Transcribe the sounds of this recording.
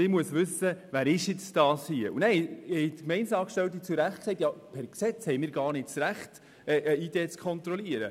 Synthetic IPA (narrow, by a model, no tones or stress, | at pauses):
ɪmuəsʋʏsːəvæːɾɪʃjɪt͡sd̥ɑːshiəʔunɛɪhɛjtkmɛɪnsɑːkʃtɛlt̪̬it͡suɾæχt̚ksɛɪtjapʰɛɾksɛt͡shɛɪmɪːɾɡɑːrnɪt̚t͡sɾæχt | ɛʔəid̥eːt͡skʰχɔnt̪ɾɔliəɾə̰